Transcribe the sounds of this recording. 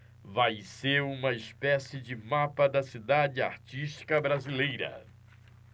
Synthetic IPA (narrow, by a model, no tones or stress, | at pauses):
vajseɾũmɐɪspɛsɪd͡ʒɪmapɐd̪ɐsid̪ad͡ʒɪa̰ɾt͡ʃiʃt͡ʃi̥kɐbɾazilejɾɐ̰